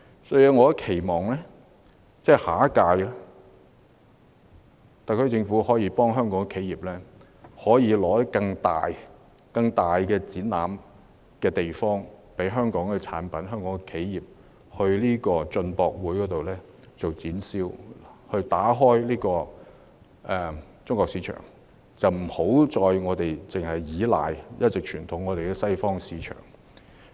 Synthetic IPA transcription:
sɔ˧˥jyː˧ŋɔː˨˧˥kʰe˨˩jmɔː˨ŋlɛː˥ | t͡sɛː˥haː˨˥kaː˧jla˥ | t̪a˨kʰɵ˧t͡sɪ˧ŋfuː˨˥hɔː˨˥jiː˨˧pɔː˥ŋɦœː˥ŋkɔː˨˥ŋɛ˨kʰe˨˥jiː˨p̚lɛː˥ | hɔː˨˥jiː˨˧lɔː˨˥t̪ɐ˥kɐ˧ŋt̪a̰ː˨j | kɐ˧ŋt̪aː˨jkɛː˧t͡siː˨˥nːa̰ː˨˥m | kɛː˧t̪e˨jfɔː˥ŋpe˨˥jɦœː˥ŋkɔː˨˥ŋkɛ˧t͡sʰa̰ː˨˥npɐ˨˥nɦœː˥ŋkɔː˨˥ŋkɛ˧kʰe˨˥jjiː˨p̚ | hɵ˧ɥliː˥kɔː˧t͡sɵ˧npɔː˧k̚wuː˨˥jkɔː˨˥t̪o˨wlɛː˥ | t͡so˨wt͡siː˨˥nsiː˥whɵ˧ɥt̪aː˨˥ɦɔː˥jliː˥kɔː˧ | ʔɛ˨˧ | t͡sʊ˥ŋkʷɔː˧ksiː˨˧˥t͡ʃʰœ̰ː˨˩ŋ | t͡sɐ˨wm̩˨˩ho˨˥wt͡sɔː˨˧jŋɔː˨˧t̪e˨jt͡sɪ˨ŋhɐ˨jːiː˨˧la̰ː˨jjɐ˥t̚t͡sɪ˨k̚t͡ʃʰyː˨˩nt̪ʰʊ˨˥ŋːɔː˨˧t̪e˨jkɛː˧sɐ˥jfɔː˥ŋsiː˨˥t͡ʃʰœ̰ː˨˩ŋ

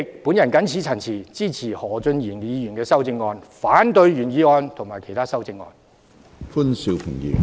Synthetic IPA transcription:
k̚puː˨˥njɐ˨˩nkɐ˨˥nt͡sʰiː˨˥t͡sʰɐ˨˩nt͡sʰiː˨˩t͡siː˥˩t͡sʰiː˨˩hɔː˨˩t͡sɵ˧njiː˨˩njiː˨˧jyː˨˩nkɛː˧sɐ˥wt͡sɪ˧ŋːɔː˧nfaː˨˥nt̪ɵ˧ɥjyː˨˩njiː˨˧ŋɔː˧nt̪ʰʊ˨˩ŋmaː˨˩kʰe˨˩jt̪ʰaː˥sɐ˥wt͡sɪ˧ŋːɔ̰ː˧n | fu˥nsi˧wpʰɪ˨˩ŋjḭ˨˧

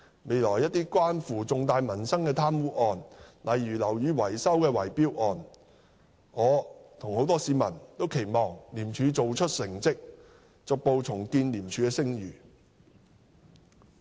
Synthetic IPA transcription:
me˨˧jlɔː˨˩jɐ˥t̚t̪iː˥kʷaː˥nfuː˨t͡sʊ˨ŋt̪aː˨˧jmɐ˨˩nsɐ˥ŋkɛː˧t̪ʰaː˥mwuː˨˥ʔɔː˧nlʔɐ˨jɥyː˨˩lɐ˨˩wjyː˨˧wɐ˨˩jsɐ˥wkɛː˧wɐ˨˩jpiː˥wʔɔː˨n | ŋɔː˨˧t̪ʰʊ˨˩ŋho˨˥wt̪ɔː˥siː˨˧mɐ˨˩nt̪o˥wkʰe˨˩jmɔː˨ŋliː˨˩mt͡ʃʰyː˨˧t͡so˨wt͡ʃʰɵ˥t̚sɪ˨˩ŋt͡sɪ˥k̚ | t͡sʊ˨k̚po˧wt͡sʰʊ˨˩ŋkiː˧nliː˨˩mt͡ʃʰyː˨˧kɛː˧sɪ˥ŋjyː˨˩

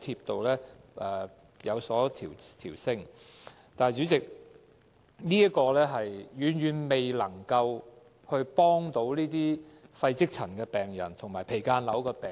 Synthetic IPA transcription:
t̪ʰiː˧p̚t̪o˨wlɛː˥ʔɛː˨ | jɐ˨˧wsɔː˨˥t̪ʰḭː˨˩wt̪ʰiː˨˩wsɪ˥ŋ | t̪aː˨jt͡ʃy˨˥t͡sɪ˨k̚ | niː˥ɐ˥tkɔː˧lɛː˥ɦɐ˨jjyː˨˧njɥyː˨˩nme˨jlɐ˨˩ŋkɐ˧w | hɵ˧ɥpɔː˥ŋt̪o˨˥wliː˥t̪iː˥fɐ˧jt͡sɪ˥k̚t͡sʰɐ˨˩nkɛː˧pɛː˨ŋjɐ̰˨˩nt̪ʰʊ˨˩ŋmaː˨˩jpʰe˨˩jkaː˧nlɐ˨˥wkɔː˧pɛː˨

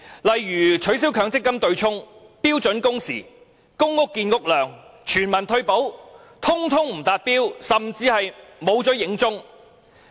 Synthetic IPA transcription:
lɐ˨jɥyː˨˩t͡ʃʰɵ˨˥ɥs̬i˨˥wkʰœː˨˧˥ŋt͡sɪ˥kːɐ˥mt̪ɵ˧ɥt͡sʰʊ˥ŋpiː˥wt͡sɵ˨˥nkʊ˥ŋsḭː˨˩ | kʊ˥ŋːʊ˥k̚ːiː˧nkʊ˥k̚lœː˨ŋt͡ʃʰyː˨˩nmɐ˨˩nt̪ʰɵ˧ɥpo˨˥w | t̪ʰʊ˥ŋt̪ʰʊ˥ŋm̩˨˩t̪aː˨˧t̚piː˥wsɐ˨mt͡siː˧hɐ˨jmo˨˧wt͡sɔ˨˥jɪ˨˥ŋt͡sʊ˥ŋ

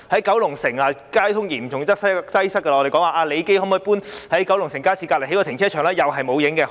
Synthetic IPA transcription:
hɐ˨˥jkɐ˨˥wlʊ˨˩ŋsɪ˨˩ŋlaː˨kaː˥jt̪ʰʊ˥ŋjiː˨˩mʰ˨˩ʊ˨˩ŋt͡sɐ˥k̚sɐ˥sɐ˥jsɐ˥kːɐ˧˨ɔ˧te˨jkɔː˨˥ŋwaː˨˧ʔaː˧le˨˧jke˥jhɔː˨˥mɔː˧jpuː˥nhɐ˨˥jkɐ˨˥wlʊ˨˩ŋsɪ˨˩ŋkaː˥siː˧˥kaː˧tle˨˩ɦkɔː˧t̪ɪ˨˩ŋt͡sʰɛː˥t͡ʃʰœː˨˩ŋlɛː˥jɐ˨wɦɐ˨jmo˨˧wjɪ˨˥ŋkɛː˧

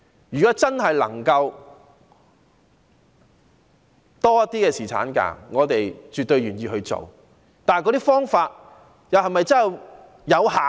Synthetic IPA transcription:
jyː˨kɔː˨˥t͡sɐ˥nɦɐ˨jlɐ̰˨˩ŋkɐ˧w | t̪ɔː˥jɐ˥t̪̚iː˥kɛː˧siː˨˩t͡sʰa̰ː˨˥nka̰ː˧˩ŋɔː˨˧t̪e˨jt͡ʃy˨t̪ːɵ˧ɥɥyː˨˩njiː˧hɵ˧ɥt͡so̰˨w | t̪aː˨˩nkɔ˧t̪iː˥fɔː˥ŋfaː˧t̚ | jɐ˨˧wɦɐ˨jmɐ˨jt͡sɐ˥nhɐ˨w | jɐ˨˧wɦaː˨

